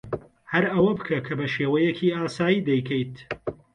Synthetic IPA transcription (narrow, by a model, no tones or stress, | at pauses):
hɐɾɐwɐbɨkʰɐkʰɐbɐʃeːwɐjɛcʰiːaːsaːjiːd̪ɛjkʰɛjt̪